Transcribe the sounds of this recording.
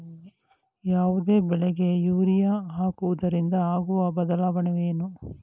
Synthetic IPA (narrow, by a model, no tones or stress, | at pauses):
jaːʋud̪e̞ːbɛɭɛɡe̞juːɾijaɦaːkuʋud̪ɐɾind̪ɐaːɡuʋɐbɐd̪ɐlaːʋɐɳeʋeːnu